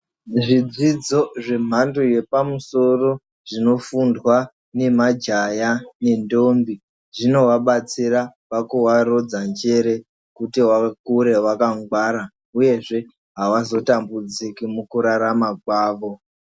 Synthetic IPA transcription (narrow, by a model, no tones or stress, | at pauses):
ʐid͡zid͡zo̞ʐe̞m̤andoje̞pamuso̞ro̞ | ʐ̥ino̞fundwa | ne̞mad͡ʒajane̞ndo̞mbi | ʐino̞waɓat͡siraʋakuwaɾo̞d͡zand͡ʒe̞ɾe̞ | kutiwakuɾe̞wakaŋɡwaɾa | uje̞ʐe̞ | ɦawazo̞tambud͡zikimukuɾaɾamakwaːʋo̞